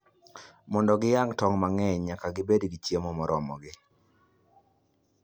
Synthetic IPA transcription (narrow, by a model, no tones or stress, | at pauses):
mɔndɔɡɪjaŋtɔŋmaŋɛɲɲakaɡɪbedɡit͡ʃjemomɔɾɔmɔɡɪ